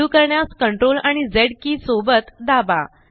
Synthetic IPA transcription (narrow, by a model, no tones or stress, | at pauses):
uːkəɾɳjaskəɳʈɾolaɽ̃id͡zeɽkiːsobət̪d̪aba̰